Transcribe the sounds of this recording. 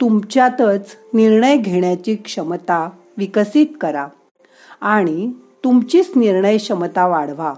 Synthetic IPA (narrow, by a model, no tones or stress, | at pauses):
t̪umt͡ɕjat̪ət͡sniɾɳəjɡʱeɳjat͡ɕiːkʂəmt̪a | ʋikəsiːt̪kəɾa | aɽ̃i | t̪umt͡ɕiːt͡sniɾɳəjɕəmt̪aʋaɽʋa